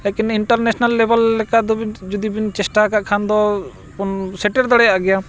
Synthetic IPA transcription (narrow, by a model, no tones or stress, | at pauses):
lɛkiniɳʈəɾnɛsnalːebəlɛkaʔd̪ɔbid͡ʒud̪ibint͡ʃɛsʈakaʔkʰand̪ɔ | pɔnsɛʈeɾd̪ɔɽɛjaʔɡɛja